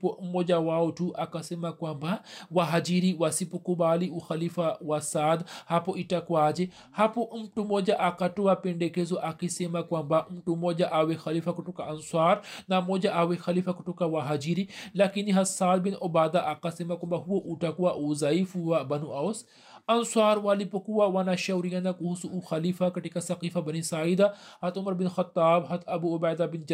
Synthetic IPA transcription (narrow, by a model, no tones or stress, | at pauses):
pɔmɔd͡ʒawaɔtuʔakasɛmakwambawaɦad͡ʒiɾiwasipɔkubaliuxalifawasad̪hapɔʔitakwad͡ʒɛ | hapɔm̩tumɔd͡ʒaʔakatɔapɛndɛkɛzɔʔakisɛmakwambam̩tumɔd͡ʒaʔawɛxalifakɔtɔkaʔanswaɾnamoːd͡ʒaʔawexɐliːfakuʈukawaɦɐd͡ʒiɾilɐkiniɦɐt̪saːl̚binʔobaːd̪aʔaqasemakmbaɦuoʔuʈakuwaʔuzɐifuwabɐnuɐws | ɐnsaːɾwaːlipɐkuwawanaʃɐwɾijanakuɦusuʔxɐliːfakɐʈikasɐqiːfabɐnisaːid̪ahɐt̪ʰumɐɾbinxɐt̪ːaːbɦɐt̪ʰɐbuubaːd̪abind͡ʒ